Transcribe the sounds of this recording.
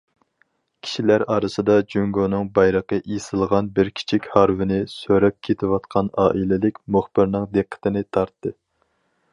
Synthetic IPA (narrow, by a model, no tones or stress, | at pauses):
kʲʰi̥ʃilæɾɑːɾɨsɨd̪ɑd͡ʒyŋɡonɨŋbɑjɾəqəʔisɨlˠʁɑnbɪɾkʲʰi̥t͡ʃʰikʲhɑɾvɪnɪsøɾɛp̚kʲʰet̪ʰɪwɑt̪̚qʰɑnɑ̰ːʔilɪlɪkʲmuχbɪɾnɨŋd̪eqʰːə̥t̪ʰɪnɪt̪ʰɑɾt̪ːɨ